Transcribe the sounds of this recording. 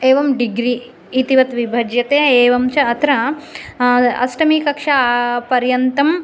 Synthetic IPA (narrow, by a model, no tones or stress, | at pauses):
eːʋɐmɖiɡɾiː | t̪iʋɐt̪ʋibʱɐd͡ʒjɐt̪eːeːʋɐmt͡ʃɐɐt̪ɾɐ | ɐ̰sʈɐmiːkɐkʂɐpɐɾjɐnt̪ɐm